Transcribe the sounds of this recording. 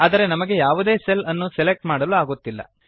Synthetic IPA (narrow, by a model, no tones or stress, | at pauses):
aːd̪ɐɾe̞nɐmɐɡe̞jaːʋud̪e̞ːselɐnːuselek̚ʈmaːɽɐluaːɡot̪ːilːɐ̰